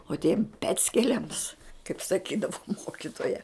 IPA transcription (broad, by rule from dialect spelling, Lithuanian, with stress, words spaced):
oː tʲiɛm ˈpʲæːt͡sʲkʲɛlʲɛms kɐɪp sɐˈkʲiːdɐʋʊ ˈmoːkʲɪtoːjɛ